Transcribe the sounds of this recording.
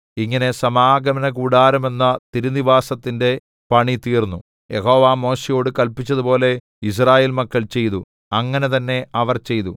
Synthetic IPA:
iŋːɐne̞sɐmaːɡɐmɐnɐkuːɽaːɾume̞nːɐt̪iɾuniʋaːsɐt̪ːinde̞ | pɐɳit̪iːrnːu | je̞ɦo̞ːʋaːmo̞ːɕejo̞ːɽɨkɐlpit͡ɕːɐðupo̞ːle̞ | is̬raːjeːlmɐkːɐɭt͡ɕe̞jt̪u | ɐŋːɐne̞t̪ɐnːe̞ʔɐʋɐrt͡ɕe̞jt̪u

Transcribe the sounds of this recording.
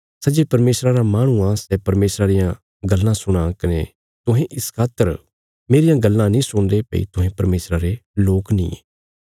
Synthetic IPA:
sɐd͡ʒepɐɾmeːsɾaɾamaːɽ̃ũãsɛːpɐɾmeːsɾaɾɪjã | ɡɐlːãsʊɽ̃ãkɪne | t̪ʊɦẽʔɪskʰaːt̪əɾ | meːɾɪjãɡɐlːãnĩsʊɽ̃d̪epɐ̰ḭt̪ʊɦẽpɐɾmeːsɾaɾeloːknḭ̃ː

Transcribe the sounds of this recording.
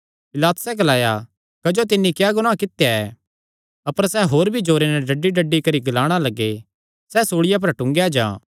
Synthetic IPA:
pɪlaːt̪ʊ̥sɛɡɐlaːja | kɐd͡ʒot̪̬ɪnːikjaːɡʊɽ̃akɪt̪ːjaɛː | ɐpəɾsɛɦoːɾbʱid͡ʒoːɾenɛɖɐɖːiɖɐɖːikɐɾiɡɐlaːɽ̃alɐɡːe | sɛsoːɽɪjap̬ɐɾʈʊ̃ŋɡjad͡ʒã̰ː

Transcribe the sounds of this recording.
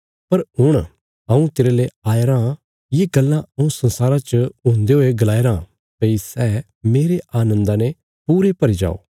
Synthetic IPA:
pɐɾɦʊɽ̃ | ɐ̃ũt̪ɪɾeleaːeɾaː | jeɡɐlːãɐũsɐ̃nsaːɾat͡ʃəɦʊ̃ːnd̪eɦoːeɡɐlaːeɾãː | peisɛː | meːɾeʔaːnə̃nd̪ane | puːɾepɐɾid͡ʒa̰ːo̰ː

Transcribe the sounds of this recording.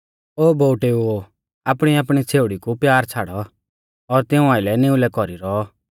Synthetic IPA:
oːboʊʈeuo | apɽ̃iapɽ̃it͡sʰeːʊɽikupjaːɾt͡sʰaːɽɔ | ɔɾt̪ɪũaːɪlɛnɪ̃ulɛkɔɾiɾɔ

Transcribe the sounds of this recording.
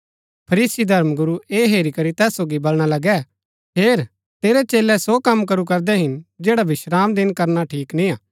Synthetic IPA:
pʰɐɾiːsid̪ʱɐɾmɡʊɾueːɦeːɾikɐɾit̪ɛːsːoːɡibɐlɽ̃alɐɡɛ | peːɾ | t̪eːɾɛt͡ʃeːlɛsokɐmkɐɾukɐɾd̪ɛɦɪnd͡ʒeːɽaʋɪʃɾaːmd̪ɪnkɐɾnaʈʰiːknĩaː

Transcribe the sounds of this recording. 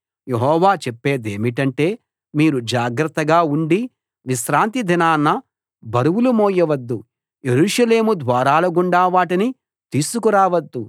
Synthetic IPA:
jeɦɔːʋaːt͡ʃepːeːd̪e̞ːmiʈɐɳʈe̞ː | miːɾud͡ʒaːɡɾɐt̪ːɐɡaːuɳɖi | ʋiʃɾaːnt̪id̪ʱinaːnːɐ | bʱɐɾuwulumoːjɐʋɐd̪ːu | jeɾuːʂɐle̞ːmud̪ʋaːɾaːlɐɡuɳɖaːʋaːʈini | t̪iːsukuɾaːʋɐd̪ːu

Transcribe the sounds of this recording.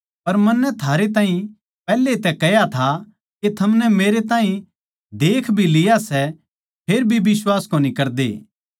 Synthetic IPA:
pɐɾmɐnːɛt̪ʰaːɾet̪̬aːɦĩ | pɛːlːet̪ɛkɛjat̪ʰa | ket̪ʰɐmnɛmeːɾet̪̬aːĩ | d̪eːkʰbʱilɪjasɛ | pʰeːɾbʱibɪswaːskoːnĩkɐɾd̪ḛː

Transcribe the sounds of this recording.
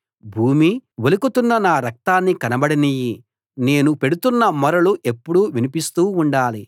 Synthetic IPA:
bʱuːmiʋelukut̪unːɐnaːɾɐk̚t̪aːnːikɐnɐbɐɽiniji | ne̞ːnupe̞ɽut̪unːɐmɔɾɐluʔe̞pːuɽuʋinipist̪uːɳɖaːli

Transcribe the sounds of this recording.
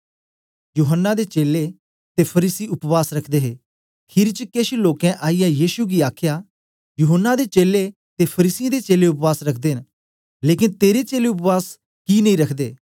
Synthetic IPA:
juːɦənːad̪eːt͡ʃeːle | t̪epʰəɾiːsiʊpʋaːsɾəkʰd̪eːɦeː | kʰɪɾt͡ʃəkeːʃiloːkɛ̃ʔaːijajiːʃuɡiaːkʰjaː | juːɦənːad̪et͡ʃeːle | t̪epʰəɾiːsɪjãd̪et͡ʃeːleʊpʋaːsɾəkʰd̪eːɦən | leːkɪnt̪eːɾet͡ʃeːleʊpʋaːs | kinɐĩɾəkʰd̪eː

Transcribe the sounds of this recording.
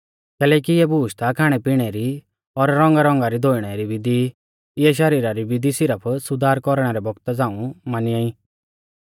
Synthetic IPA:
kɛːlɛːkiɪɛbuːʃt̪akʰaːɽ̃ɛpiɽ̃ɛɾi | ɔɾɾɔ̃ŋɡaɾɔ̃ŋɡaɾid̪ʱoːiɽ̃ɛɾiʋɪd̪i | ɪɛʃ̬ɐɾiːɾaɾibɪd̪isɪɾəpʰsʊd̪ʱaːɾkɔɾɽ̃ɛɾɛbɔɡt̪ad͡zãːũmanɪaːĩ

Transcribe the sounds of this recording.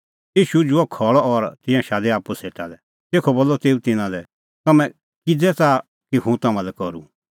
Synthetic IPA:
iːʃud͡ʒʊɔkʰɔɭɔɔɾt̪ɪ̃jãʃaːd̪ɛaːpuseːʈalɛ | t̪eːkʰoboːlːɔt̪eːut̪ɪnãlɛ | t̪ɐmɛ̃ | kɪd͡zɛt͡sa | kiɦũt̪ɐmãlɛkɔɾṵ

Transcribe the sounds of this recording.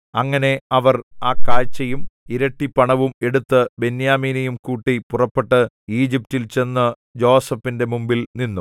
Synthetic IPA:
ɐŋːɐne̞ɐʋɐraːkːaːjt͡ɕːɐjumiɾɐʈːipɐɳɐʋume̞ɽut̪ːɨbe̞njaːmiːnɐjumkuːʈːipurɐpːeʈːɨ | iːd͡ʑip̚tilt͡ɕe̞nːɨ | d͡ʑo̞ːsɐpːinde̞mumbilninːu

